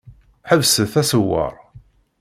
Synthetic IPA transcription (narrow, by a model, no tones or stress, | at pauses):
ħəvsəθæsəwːə̰ɾˤ